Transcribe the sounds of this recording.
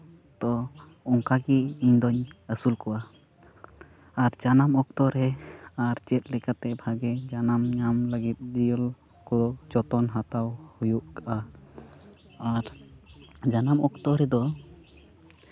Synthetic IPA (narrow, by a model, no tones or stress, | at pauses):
t̪ɔ | ɔŋkaɡiiɲd̪ɔɲəsulkɔwa | ɾd͡ʒanamɔk̚t̪ɔɾɛaɾt͡ʃɛt̪̚ˀlɛkat̪ɛbʱaɡɛd͡ʒanamɲamləɡit̪̚ˀd̪ijɔl | kɔɔd͡ʒɔt̪ɔnɦat̪awhujuʔkaʔa | aɾ | d͡ʒanamɔkt̪ɔɾɛd̪ɔ